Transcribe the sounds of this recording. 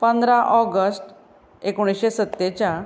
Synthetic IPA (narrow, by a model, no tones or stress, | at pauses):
pə̃nd̪ɾaʔɔɡəsʈ | ekoɽ̃isɕesət̪ːet͡ɕja